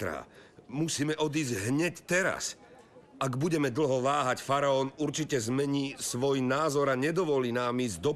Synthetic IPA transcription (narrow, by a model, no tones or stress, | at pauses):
ɾa̰ːmusiːmɛʔɔd̪iːzɟɦɲɛct̪ɛɾa̰s | aɡbuɟɛmɛd̪l̩ɦɔʋaːɦacfaɾaɔːnuɾt͡ʃicɛzmɛɲiːsʋɔjnaːzɔɾaɲɛd̪ɔʋɔliːnaːmiːzd̪ɔ